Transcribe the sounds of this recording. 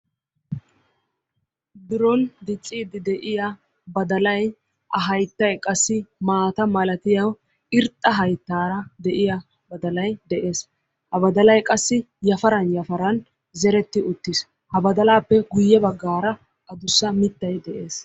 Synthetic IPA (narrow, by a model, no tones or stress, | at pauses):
b̪ɪɾɔnd̪ɪt͡sʼːiːd̪ɪd̪ɛʔɪja | bɐd̪ɐlɐj | ʔɐɦɐjt̪ːɐjkʼɐsːɪmaːt̪ɐmɐlɐt̪ɪjɐw | ʔɪɾt̪ʼːɐɦɐjt̪ːaːɾɐd̪ɛʔɪjɐ | bɐd̪ɐlɐjd̪ɛʔe̞ːs | hɐbɐd̪ɐlɐjkʼɐsːɪ | jɐfɐɾɐnjɐfɐɾɐn | zɛɾɛt̪ːɪʊt̪ːɪs | hɐbɐd̪ɐlaːpːɛɡʊjːɛbɐɡːaːɾɐ | ʔɐd̪ʊsːɐmɪt̪ːɐjd̪ɛʔe̞ːs